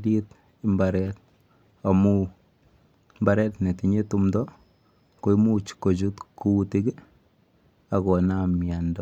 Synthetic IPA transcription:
di˦t | imbaɾɛt̚ | a˨mu˦ | mbaɾɛ˦tne˨ti˨ɲe˦tumdɔ | ko˦i˦mu˦t͡ʃko˨t͡ʃu˦tku˦ti˦ɡi˦ | a˨kɔ˨na˦mja˨ndɔ

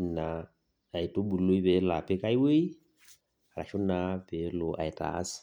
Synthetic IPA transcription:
na˨ | a˨i˨to˦bu˨lo˦i˦βɛ˨˦la˨pɛ˦ka˦i˦we˦i˦ | a˨ɾa̰˨ʃʊ˦na˦pɛ˨lo˨ʔa̰˨ɛ˨ta̰˨˦s

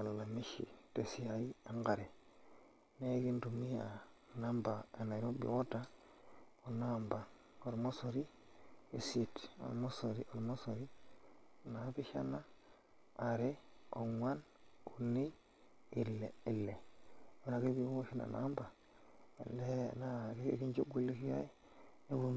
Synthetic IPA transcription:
a˨lla˨mi˦ʃḭ˨te˨si˦a˨i˦a˦ŋɡa˨ɾe˨ | ne˦ɡi˦ndu˨mi˦a˨na˦mba˨e˨na˨ɾo˦bḭ˨wo˦ta˦ | o˨namba˨ | o˨ɾmo˦so˨ɾi˦ | i˨si˦to̰˨lmo˦so˨ɾḭ˨ʔo˨ɾmo˦so˨ɾi˦˨ | na˨˦bi˦ʃa˦naː˦˨ | ɾe˦o̰˨ŋwa˦n | u˨nːi˦ | i˨lːe˨i˨lːe˨e˨na˨ke˦bi˦o˦ʃi˦na̰˨na̰mba˨ | ḛ˨lḛ˦na˦kḛ˦ɡi˦nd͡ʒo˦ɡu˦li˦ki˦ja̰˦i˦ | ne˦bu˦

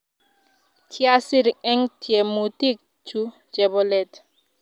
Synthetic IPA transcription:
kʰja˦si˦ɾɛ˦ŋtʰje˨mu˨t̪i˦k̚ | t͡ʃu˦ | d͡ʒɛ˨bɔ˦lɛ˦˨t̪

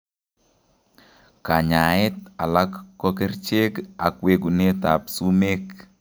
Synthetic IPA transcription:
ka˨ɲa˨ɪ˦t̪̚a˨la˦kːɔ˦ke˦ɾt͡ʃe˦ɡa˨kwe˦ɡu˨ne˦ta˨psu˦me˦k

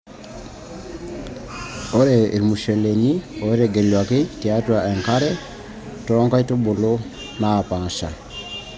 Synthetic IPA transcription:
o˦ɾe˨ɾmu˨ʃe˨leɲioeɾeɡe˨lwa˨kɪtiatwaɛ˨ŋkaɾɛ | tɔɾɔ˦ŋka˦i˦tubo˨lo | na˨pa˨ʃa˨

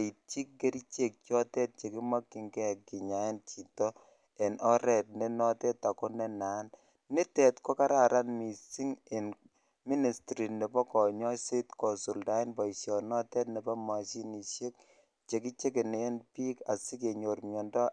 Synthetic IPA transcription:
i˨t͡ʃi˦k̚ɡe˦ɾi˦t͡ʃe˦k̚t͡ʃjɔ˦tɛ˦t̚t͡ʃe˨ki˦ma˦kːi˨˦ŋɡɛ˦˨ki˨ɲa˨e˦nt͡ʃi˨tɔ˦ | e˨nʔɔ˦ɾɛ˨t̚ne˦nɔ˦tɛ˦ta˨kɔ˦nɛ˦na˨˦n | ni˦tɛ˨tko˦ka˦ɾa˨ɾa˦nmi˨si˦ŋe˨n | mi˦ni˨stɾi˨ne˨bɔ˦kɔ˨ɲɔ˦se˦tkɔ˨su˨lda˨˦e˦nbɔ˨i˨sjɔ˨nɔ˦tɛ˦tnɛ˨bɔ˦ma˨si˦ni˨ʃe˦k̚ | t͡ʃe˨ki˦t͡ʃe˦k̬e˨ne˦e˦npiː˦ka˨si˦ke˨ɲo˨ɾmjɔ˨ndɔ˦

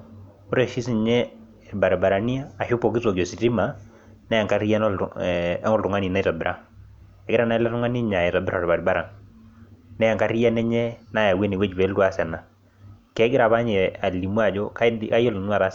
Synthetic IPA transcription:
ʊ˦ɾe˨ʃi˦si˨ɲɛ˦ | ɛ˨ba˨ɾba˨ɾa˨ni˦aː˦˨ʃʊ˦pɔ˨ki˦sɔ˨ɡɔ˨si˨ti˦ma˨ | nɛ˦ja˨ŋka˦ɾi˦ja˦n˦ | ɔ˦ltʊ˨ŋa˦ni˨na˦i˦ta˨bɪ˨ɾʔa˦ | ɛ˨ɡɪ˦ɾa˦˨na˦la˦tʊ˦ŋa˦ni˦ɲa˨ɛ˨ta˨bɾa˨ɾba˨ɾba˦ɾa˨ŋ | nɛ˦ja˨ka˦ɾi˦ja˦nɛ˦ɲɛ˦na˦˨ja˨we˦ni˨wɛ˦d͡ʒbɛ˨˦ltwa˨sɛ˨na˨ | kɛ˨˦ɡɪ˦ɾa˨βa˦ɲɛ˨a˨li˨mu˦a˨d͡ʒɔ˦ka˦ka˦jɔ˦ln˦a˨ɾa˦

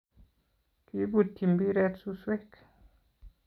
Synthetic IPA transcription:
ki˦bu˨ti˨mbi˦ɾɛ˦tsu˦swe˦k

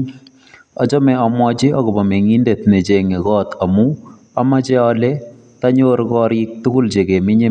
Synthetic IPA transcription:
ɔ˨d͡ʒɔ˦mɛ˨ɔ˨mɔ˦d͡ʒɪ˦ɔ˦ɡɔ˨bɔ˨me˨ŋi˦nde˨t̪ne˨d͡ʒe˨ŋe˨ɣɔ˦t̪a˨mu˦ | a˦ma˦d͡ʒɛ˦ɔ˦le˦ | ta˦ɲo˦ɾkɔ˦ɾɪ˦k̚t̪ʊ˦kʊ˦ld͡ʒe˨ɡe˨mɪ˦ɲe˦

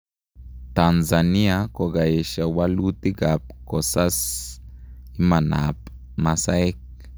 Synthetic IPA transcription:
t̪a˨nza˨ni˦ako˨ɡa˨e˨ʃa˨wa˦lu˦t̪i˦ɡa˨p̚ko˨sa˦s | i˦ma˨na̰˨p | ma˧sa˦e˦k̚

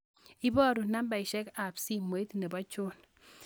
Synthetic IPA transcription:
i˦bɔ˦ɾu˨na˦mba˨i˨ʃɛ˦ka˨psi˦mo˨i˦t̪ne˨bɔ˦t͡ʃo˦n

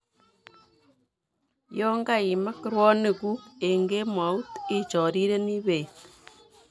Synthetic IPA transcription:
jɔ˦ŋɡa˦i˨ma˦kɾwɔ˦ne˨ku˦e˨ŋɡe˦mwa˨˦u˦ti˦t͡ʃɔ˨ɾi˦ɾe˦ni˦βe˨

